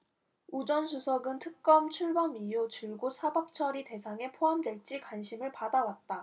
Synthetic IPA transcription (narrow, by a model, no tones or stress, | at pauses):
ud͡ʑʌns̬ʰusʰʌɡɯntʰɯk̚k͈ʌmt͡ɕʰuɭbʌmijut͡ɕɯɭɡosʰabap̚t͡ɕʰʌɾite̞sʰaŋe̞pʰoɦamdwe̞ɭt͡ɕ͈ikwanɕʰimɯɭpadawat̚t͈a